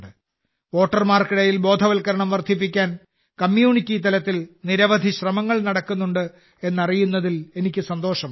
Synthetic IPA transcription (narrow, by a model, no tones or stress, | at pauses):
ɖɨ | o̞ːʈːɐrmaːrkiɽɐjilbo̞ːd̪ʱɐʋɐlkɐɾɐɳɐmʋɐrd̪ʱip̬ːik̬ʲːaːn | kɐmjuːɳikʲːiːt̪ɐlɐt̪ːilniɾɐʋɐd̪ʱiɕrɐmɐŋːɐɭnɐɽɐkːunːuɳɖɨ | e̞nːɐrijunːɐðile̞nikʲːɨsɐnd̪o̞ːʂɐm